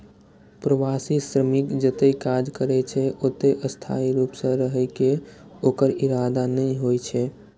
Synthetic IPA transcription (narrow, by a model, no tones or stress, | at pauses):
pɾəʋasisɾəmikd͡ʒət̪eikad͡ʒkəɾɛt͡ʃʰɛʔot̪eʔəst̪ʰa̰iɾuːpsə̃ɾəɦəjkeoːkəɾiɾad̪anəiɦojt͡ʃʰɛ